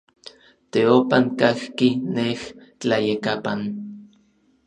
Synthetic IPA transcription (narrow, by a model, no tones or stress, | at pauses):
t̪eopaŋkahkineht͡ɬajekapan